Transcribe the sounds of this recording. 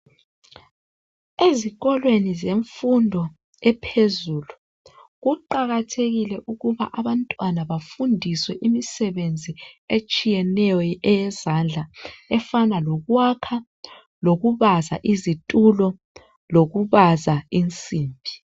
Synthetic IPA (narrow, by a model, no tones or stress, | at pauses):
eziɣɔlwenizeɱfundʱɔ | ɛpʰezuːlu | ɣuǃaɣatʰeɣilɛʔuɣuβa̰ʔaβantʼwanaβafundʱiswɛʔimisɛβend͡zʱiet͡ʃʼijɛnɛjɔɛjɛzand͡ɮʱaɛfanaloɣwakʰa | loɣuβaza̰ʔizitʼulɔ | loɣuβazaint͡sʼiːmbʱi